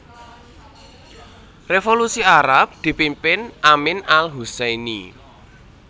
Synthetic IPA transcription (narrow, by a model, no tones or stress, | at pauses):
refolusiaɾap̚d̪̥i̤pimpɪnʔamɪnalɦusɛni